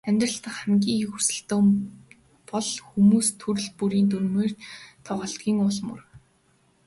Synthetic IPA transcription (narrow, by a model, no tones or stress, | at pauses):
æmʲt̪rə̆ɬt̪ə̆χχamɡʲiːŋxursɘ̆ɬt̪oː | pɔɮxumuːst̪ʰɵɾɵ̆ɮpuɾiːnt̪̬urmeːrt̪ʰɔʁœːɬt̪̚ɡʲiːŋʊɮmɵ̰̆r